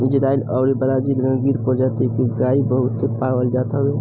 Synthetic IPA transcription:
id͡ʒɾailəʊɾibəd̪ad͡ʒiləɡə̃ɡiɾkɔɾd͡ʒat̪ekeɡaibəɦut̪ːepaɽʋəld͡ʒat̪ɦəbe

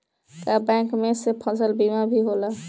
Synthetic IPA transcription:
kabɛ̃kmesepʰə̃səlbimabʱiɦola

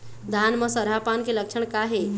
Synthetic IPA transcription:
d̪ʱanməsəɾɦapankeləkʃʰəɳ̃kaɦe

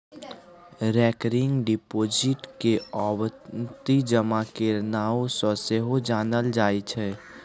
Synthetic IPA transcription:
ɾɛːkɾɪŋɡɖɪpoːd͡ʒɪʈkeɔːwt̪id͡ʒəmakeɾnaːosɔ̃seɦod͡ʒaːnəld͡ʒaːit͡ʃʰɛː

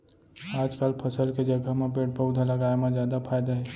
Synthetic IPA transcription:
aːd͡ʒkaːlpʰəsəlked͡ʒəɡʱamẽpeːʈ̚pəʊd̪ʱaləɡaːemẽd͡ʒjaːd̪apʰaːjd̪aɦɛː

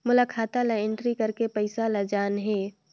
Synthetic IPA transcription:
mʊlaːkʰaːt̪alɐɪ̃ɳʈɾikɐɾkepəɪsalɐd͡ʒaːnɦeː

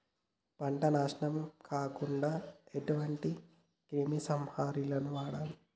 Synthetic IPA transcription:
pɐɳʈɐnaːʂnɐmkʰaːkuɳɖaːeʈuʋɐɳʈi | kemisɐmhaːɾilɐnuʋaːɽaːl

